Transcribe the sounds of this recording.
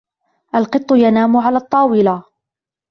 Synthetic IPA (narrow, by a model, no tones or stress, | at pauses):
ʔalqɨt̪ˤːʊjanaːmʊʕalaːt̪ˤːɑːwɪla